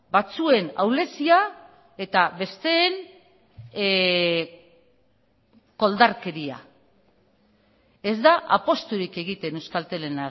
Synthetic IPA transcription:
bat͡sue̞nawle̞sia | e̞t̪aβe̞st̪e̞ːn | ko̞ld̪aɾke̞ɾia̰ | e̞zd̪aʔa̰po̞st̪uɾike̞ɣ̞it̪e̞ne̞wskalt̪e̞le̞na

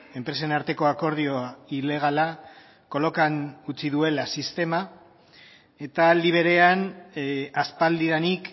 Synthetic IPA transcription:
e̞mpɾe̞se̞naɾt̪e̞ko̞ako̞ɾð̞io̞ile̞ɣ̞ala | ko̞lo̞kanut͡siðue̞lasist̪e̞ma | e̞t̪aːld̪iβ̞e̞ɾe̞an | aspald̪iðanik

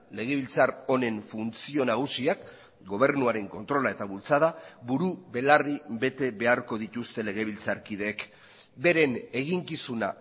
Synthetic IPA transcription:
le̞ɣ̞e̞βilt͡saɾo̞ne̞ɱfunt͡sio̞naɣ̞usiak | ɡo̞β̞e̞ɾnuaɾe̞ŋko̞nt̪ɾo̞lae̞t̪aβult͡sað̞abuɾuβe̞laribe̞t̪e̞βe̞aɾko̞ðit̪ust̪e̞le̞ɣ̞e̞β̞ilt͡saɾkið̞e̞ːk | be̞ɾe̞ne̞ɣ̞iŋkisuna̰

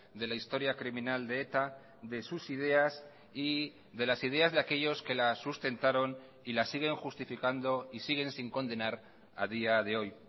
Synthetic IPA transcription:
d̪e̞laist̪o̞ɾjakɾimĩnald̪e̞et̪a | ðe̞susið̞e̞as | i | ðe̞lasið̞e̞azðeake̞ʝo̞ske̞lasust̪e̞nt̪aɾo̞n | ilasiɣ̞e̞ŋxust̪ifikand̪o̞isiɣe̞nsiŋko̞nd̪e̞naɾ | a̰ð̞iaðe̞o̞j

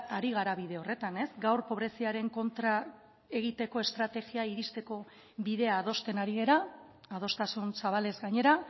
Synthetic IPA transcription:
aɾiɣ̞aɾaβiðe̞o̞re̞t̪ane̞zɡawrpo̞βɾe̞siaɾe̞ŋko̞nt̪ɾa | e̞ɣ̞it̪e̞ko̞e̞st̪ɾat̪e̞ɣiaiɾist̪e̞ko̞ | βiðe̞aːðo̞st̪e̞naɾiɣe̞ɾaː | ð̞o̞st̪asunsaβale̞zɡaɲe̞ɾa

